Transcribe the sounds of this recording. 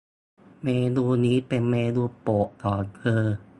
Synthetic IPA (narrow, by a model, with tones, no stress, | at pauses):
meː˧nuː˧niː˦˥pe˧nmeː˧duː˧po˨˩ʔt̪ɔː˨˩nkʰɤː˧